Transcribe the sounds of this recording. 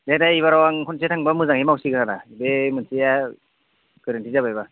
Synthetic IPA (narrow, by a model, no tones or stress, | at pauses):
dedaiβaɾawaŋkʰɔns̬iatʰaŋbamɯzaŋhemawsiɡɯnaɾabemɯnsija | kɯɾantʰizabajba